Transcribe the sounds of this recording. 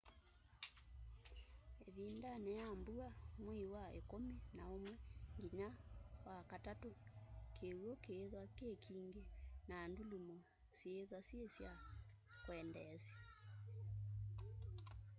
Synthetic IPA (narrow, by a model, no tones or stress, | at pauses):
eβindanɛjambuamwiwaḛkominaomwɛŋɡiɲawakatatokewɔkeːðwakekʰiːŋɡenaːndulumɔ | sjeːðwasjesja | kwɛndɛsja